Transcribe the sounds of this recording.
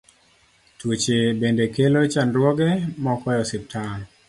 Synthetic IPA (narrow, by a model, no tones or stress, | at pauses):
twot͡ʃebendekelot͡ʃandwɔɡɛmɔkɔjɔsɪp̚tʰan